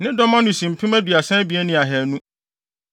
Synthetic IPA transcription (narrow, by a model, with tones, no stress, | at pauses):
nɪ̃˦dɔ˦mã˦nʊ̃˨sĩ˨m̩˨pʰɪ̃˦mæ˦di˨a˨sɛ̃˦bi˨ɛ˦nĩ˨a˨ɦɛ˨nũ˦